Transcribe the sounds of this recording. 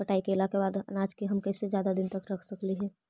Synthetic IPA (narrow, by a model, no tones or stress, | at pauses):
pɐʈaːikeːlakebaːd̪ɐ̰naːd͡ʒkiɦɐmkɛːsed͡ʒjaːd̪ad̪ɪnt̪ɐkɾɐkʰsɐkliɦɛː